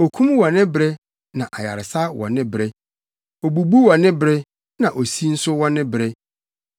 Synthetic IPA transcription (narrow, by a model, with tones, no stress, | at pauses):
o˨kʰũ˦mwɔ˨nɪ̃˦bɾɛ˦ | nã˨ʔa˨ja̰˨ɾɪ˨sa˦wɔ̰˨nɪ̃˦bɾɛ˦ | o˨bu˨bu˦wɔ˨nɪ̃˦bɾɛ˦ | nã˨ʔo˨si˦n̩˦sʊ˦wɔ̃˦nɪ̃˦bɾɛ˦